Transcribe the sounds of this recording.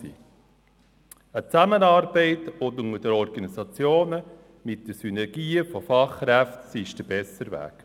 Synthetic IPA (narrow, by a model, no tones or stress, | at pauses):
iː | ət͡sæmənɑːɾbɛɪtʊndʊŋədəɾɔɾɡɑnisɑt͡sjoːnə | mɪt̚d̥əɾsynɛɾɡ̥iːfɔfɑχːɾæftsiɪʃd̥əb̥ɛsəɾʋæ̰ːk